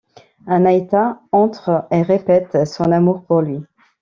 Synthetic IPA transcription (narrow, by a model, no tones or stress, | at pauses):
ɛ̃najt̪aɑ̃t̪χeʁepɛt̪sɔ̃namuʁpuʁlɥi